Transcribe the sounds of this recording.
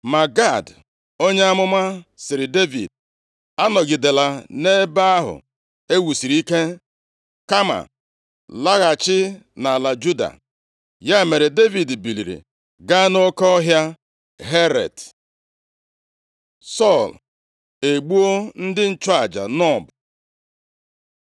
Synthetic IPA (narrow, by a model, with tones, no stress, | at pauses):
ma˨ɡa˦˨d | o˦ɲe˦a˦mʊ˦ma˦sɪ˨ɾɪ˨de˦vḭ˨d̚ | a˦nɔ˨ɡɪ˨de˨la˨ne˦ba˦a˦ɦʊ̰˨ | e˦wu˨si˨ɾi˦ke˦ | ka˦ma̰˨ | la˦ɣa˨t͡ʃɪ˦na˨la˨d͡ʒu˦da̰˨ | ja˦e˨me˨ɾe˨de˦vi˨dbi˨lḭ˨ɾḭ˨ | ɡa˦no˦kɔ˦ɦja˦ | ɦe˦ɾḛ˨d | sɔ˦˨l | e˨ɡ͡bu˦o˦n̩˦dɪ˦n̩˦t͡ʃɔ˦a˨d͡ʒa̰˨nɔ˦˨b